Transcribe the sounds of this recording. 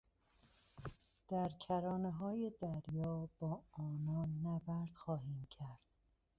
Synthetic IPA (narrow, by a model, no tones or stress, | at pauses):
d̪̥æɾcʰæɾɒːneɦɒːje̞d̪æɾjɒːb̥ɒːɒːnɒːnːæbæɾd̪̥xɒːɦiːmcʰæɾd̪̥